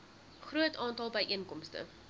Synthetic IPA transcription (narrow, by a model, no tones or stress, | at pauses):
χruətɑːntɐlˠbəjʔiənkɔmstə̰